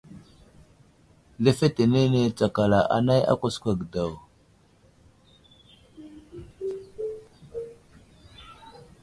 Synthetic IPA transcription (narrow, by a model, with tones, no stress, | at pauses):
le˦fe˦te˨ne˦ne˦t͡sa˨ka˨la˨ʔa̰˨na˦ja̰˦kʷa˦skʷa˨ɡda˨w